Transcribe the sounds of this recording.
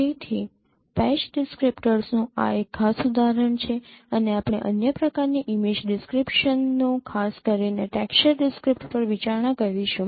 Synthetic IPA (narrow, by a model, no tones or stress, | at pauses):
et̪ʰi | pɛʃɖɪskɾipʈəɾsnũa̰ekʰːasud̪aɾəɳt͡ʃʰeəneapɽ̃eʔənjəpɾəkaɾniʔimid͡ʒɖɪskɾipʃənːũkʰaskəɾineʈɛkʃəɾɖɪskɾipʈpəɾʋit͡ʃaɾɳakəɾʋiʃũ